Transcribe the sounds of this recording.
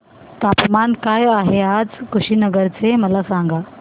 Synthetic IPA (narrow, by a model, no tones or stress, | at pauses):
t̪apmankajaɦead͡zkuɕiːnəɡəɾt͡seməlasãŋɡa